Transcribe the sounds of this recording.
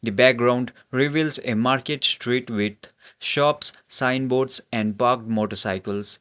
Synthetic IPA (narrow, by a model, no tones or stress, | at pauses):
d̪ibæk̚ɡɾãʊ̃ɳɖ | ɾiʋilsemaːɾkeʈsʈɾiːʈʋɪd̪ʃɔːpsːãɪ̃nboːɖsɛ̃ɳɖ̚paːɾk̚ʈmoːʈəɾsaɪkəls